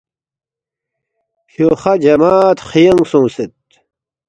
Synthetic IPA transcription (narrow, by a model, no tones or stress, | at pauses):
ɕoχɐd͡ʑɐmaːt̪χijɐŋɡsũːset̪̚